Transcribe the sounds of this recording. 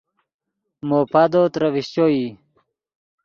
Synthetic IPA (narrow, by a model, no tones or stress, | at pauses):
moːpad̪oːt̪ɾɐwiɕt͡ɕoi